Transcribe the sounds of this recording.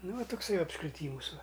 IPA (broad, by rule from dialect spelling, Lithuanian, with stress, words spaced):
ˈnʊ ʋɐ tʊkˈsɐɪ ɐpskrʲɪˈtʲiːmʊs ʋɐ